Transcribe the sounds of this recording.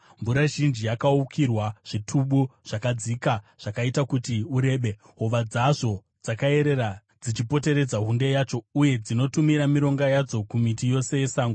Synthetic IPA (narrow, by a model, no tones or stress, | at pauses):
ɱvuɾaʒind͡ʒijakaukʰirwaʐ̥itʰuɓuʐ̥akad͡zikaʐ̥akaitakutiuɾe̞ːɓe | ɦoʋad͡zaʐo̞ | d͡zakae̞ɾe̞ɾa | d͡zit͡ʃipo̞te̞ɾe̞d͡zaɦundejaːt͡ʃo̞uje̞d͡zino̞tumiɾamiɾo̞ŋɡajad͡zo̞kumitijo̞se̞je̞saːŋɡo